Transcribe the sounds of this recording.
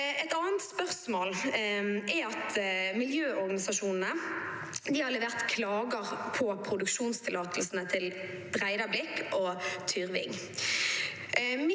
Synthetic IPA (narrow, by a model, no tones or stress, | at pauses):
ʔɛt̪ɑːənt̪spœʁsmoːl | ɛɑt̪mɪljøːʔɔʁɡɑnɪsɑʃuːnn̩ə | d̪ɪhɑʁlɛʋeːʁt̪kʰlɑːɡəʁpʰɔpʰʁʊd̪ʉkʃuːnst̪ʰɪlɑːt̪ʰlsn̩ət̪ʰɪl | d̪̥ʁæɪd̪ɑblɪkʰːʔoːt̪ʰyʁʋɪ̰ŋ | m